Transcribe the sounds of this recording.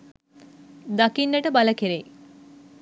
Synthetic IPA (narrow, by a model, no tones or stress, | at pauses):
d̪akinːəʈəbaləkeɾej